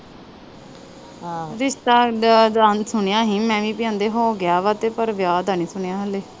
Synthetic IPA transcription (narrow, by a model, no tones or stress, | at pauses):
ɾɪʃt̪aːd̪aːnsʊɳejãːɦĩːmɛ̃ːʋĩːpɪjãːnd̪eːɦoːɡɪjaːʋaːt̪eːpəɾʋjaːd̪aniːsʊɳejaːɦəleː